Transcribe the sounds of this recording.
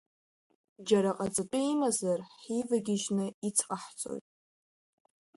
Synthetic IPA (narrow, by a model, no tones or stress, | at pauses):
d͡ʒaɾaqʼat͡sʼɨpʼɨimazarħivaɡʲɪʒnɨit͡sʰqʼaħt͡sʼo̞̰jtʼ